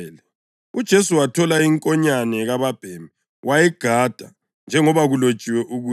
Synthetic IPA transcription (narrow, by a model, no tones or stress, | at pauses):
lɛ | ud̥ʒ̥ʱesuwatʰɔlaiŋkʼɔɲanɛɣaβab̥ʱɛmɛ | wʔajɛɡ̥ʱad̥ʱa | nd͡ʒʱɛŋɔβaɣulod̥t͡ʃʼiwɛʔuɣuː